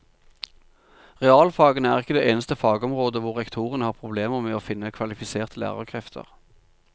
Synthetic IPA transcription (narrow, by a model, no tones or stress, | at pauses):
ʁɛɑːlfɑːɡənəæːʁɪkːəd̪eːʔeːnəst̪əfɑːɡəɔmʁoːd̪əʋʊʁʁɛkt̪ʰuːʁənəhɑːʁpʰʁʊbleːməʁmeːoːfɪnːəkʰʋɑlɪfɪseːʁt̪ʰəlæ̰ːʁəʁkʰʁɛft̪ʰə̰ʁ